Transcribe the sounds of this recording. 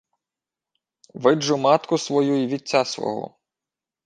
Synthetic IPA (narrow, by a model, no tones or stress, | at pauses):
ʋɪd͡ʒʊmɑt̪kʊsʋɔjuiʋʲit͡sʲːasʋɔ̰ɦɔ̰